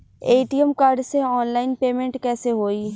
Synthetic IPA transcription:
eːʈiɛmkaːɾɖseɔːnlaːɪnpeːmẽɳʈkɛːseɦoːiː

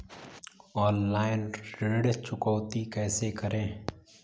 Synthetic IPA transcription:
ɔːnlaːɪnɾeːɽt͡ʃʊkɔːt̪ikɛːsekəɾẽː

